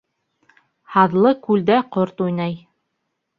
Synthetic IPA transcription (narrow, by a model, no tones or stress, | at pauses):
hɑðlˠɤkʉld̪æqoɾt̪ujnɑj